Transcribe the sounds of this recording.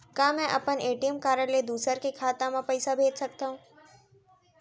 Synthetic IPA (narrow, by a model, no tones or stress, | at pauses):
kaːmɛ̃ʔɐpəneːʈijəmkaːɾəled̪uːsəɾkekʰaːt̪ãmãpɐɪsabʱeːd͡ʒsɐk̚t̪aːɦũː